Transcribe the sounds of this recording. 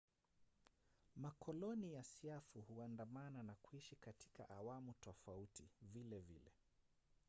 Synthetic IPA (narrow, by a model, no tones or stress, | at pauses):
makʰɔlɔnijasiafuhuandamananakuiʃikati̥ka̰ʔawamutɔfautivilɛvḭlɛ̰